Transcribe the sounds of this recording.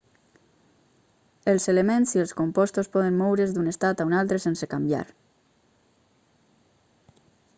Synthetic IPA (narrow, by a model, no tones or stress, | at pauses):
elˠselemẽnsielˠskompɔst̪ospɔð̞emmɔwɾezd̪unest̪at̪aunalˠt̪ɾesensekambja̰ɾ